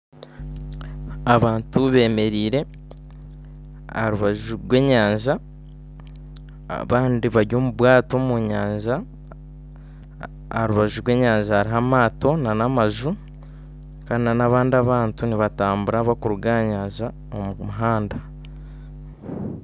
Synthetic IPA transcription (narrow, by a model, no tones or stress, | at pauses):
aβaːntuβe̞ːme̞ɾiːɾe̞ | ɾuβaʒuɾwe̞ːɲaːɲʒa | a̰βaːndiβaɾjo̞ːmuβwaːto̞muɲaːɲʒa | aɾuβaʒuɾwe̞ːɲaːɲʒahaɾiɦamaːto̞nanamaʒu | kaːndinanaβaːndiaβaːntuniβataːmbuɾaβakuɾuɡaɲaːɲʒa | omumuɦaːnda